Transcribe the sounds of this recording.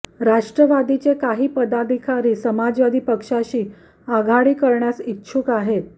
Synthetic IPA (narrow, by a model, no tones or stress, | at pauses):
ɾaʂʈɾəʋad̪it͡sekaɦiːpəd̪ad̪ʱikʰaɾiːsəmad͡zʋad̪ʱiːpəkʂaɕiː | aɡʱaɽiːkəɾɳjasikːɕʰuːkaɦet̪